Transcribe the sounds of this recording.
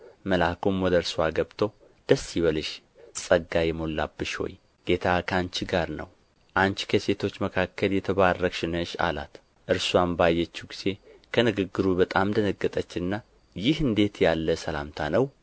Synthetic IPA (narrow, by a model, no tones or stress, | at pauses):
məlakʰomwɔd̪əɨɾswaɡəβt̪ʰo̞ | d̪̥əsiβəlɨʃ | sʼəɡajɛmo̞lːabːɨʃho̞̰j | ɡ̥e̞t̪ʰakʰant͡ʃɡaɾnə̰w | ʔant͡ʃkʰəse̞t̪ʰo̞t͡ʃːməkʰakʰːəljɛt̪ʰəβarːəkʃɪnəʃa̰la̰t̪ | ʔɨɾswambajːɛt͡ʃːuɡiz̥e̞kʰənɨɡɨɡːɨɾubət̪ʼamd̪ənəɡːət̪ʼət͡ʃːɪnɨnːa | jɪhɨnd̪e̞t̪jalːəsəla̰mt̪ʰanəw